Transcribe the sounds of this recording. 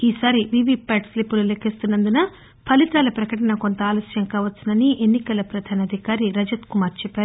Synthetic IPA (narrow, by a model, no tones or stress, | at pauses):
iːsaːɾiʋiʋipaːʈslipːululekʰːist̪unːɐnd̪unɐ | pʰɐlit̪aːlɐpɾɐkɐʈɐnɐko̞nt̪ɐaːloːsjɐŋkaːʋɐt̪ːsinɐniʔenːikɐlɐpɾɐd̪ʱaːnɐd̪ʱikaːɾiɾɐd͡ʒɐt̪kumaːɾt͡ʃɛpːaːɾu